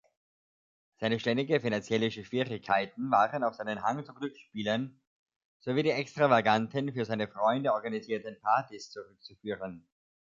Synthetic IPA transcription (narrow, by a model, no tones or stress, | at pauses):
z̥aɪnəʃtɛndɪɡəfinant͡sjɛlɪʃəʃv̥iːʁɪkʰːaɪtn̩vaːʁənaʊfz̥aɪnənɦaŋt͡suɡlʏkʃpiːlən | z̥oviːdiːʔɛkstʁ̥avaɡantənfyːɐzaɪnəfʁ̥ɔʏndəɔɐɡaniziːɐtən̩pʰaɐtist͡suʁʏk̚t͡sufyːʁən